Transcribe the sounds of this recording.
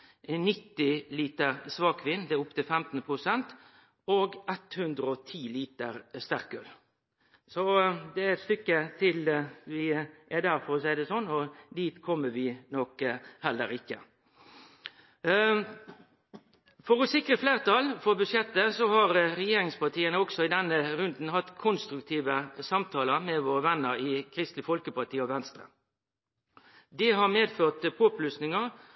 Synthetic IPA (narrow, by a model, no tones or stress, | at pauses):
nɪt̪ːɪliːt̪əɾsʋɑːkʰʋɪnːd̪ɛʊpt̪ʰɪlfɛmt̪n̩pʰɾʊsɛnt̪ | oɡɛt̪hʉnd̪ɾəɔt̪ʰiːliːt̪əɾst̪æʁkøːl | sɔd̪ɛɛt̪st̪ʏkːət̪ʰɪlʋɪæd̪æɾfɔɾɔsæɪd̪ɛsɔnːɔd̪iːt̪kʰɔmːəʋɪnɔkhɛlːəɾɪkːə̰ | fɔʁɔsɪkɾəfleːʁt̪ʰɑlfɔʁbʉʃjɛt̪ːəsɔhɑɾʁɛjeːɾɪŋspɑʁt̪ʰiːənəɔksɔɪd̪ɛnːəɾʉnd̪n̩hɑt̪ːkʰʊnst̪ɾʉkt̪ʰiːʋəsɑmt̪ʰɑːləɾmɛʋoːʁəʋɛnːəɾɪkʰɾɪst̪l̩ɪfɔlkəpɑʁt̪ʰiːɔʋɛnst̪ɾə̰ | d̪ɪɦɑʁmeːd̪føːʁt̪pʰoːplʉsnɪŋə